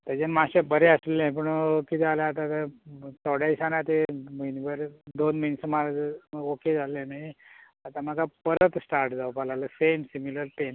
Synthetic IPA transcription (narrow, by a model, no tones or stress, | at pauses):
t̪ad͡ʑenmaɕebəɾeəslɛ̃p̬əɳkit̪aleat̪ãt̪ət̪ɔɽaisanat̪eminbəɾed̪onminsəmaoked͡zalːẽnii | at̪am̤aɡapəɾət̪sʈaɾʈd͡zaupalaləsemsimiləɾpen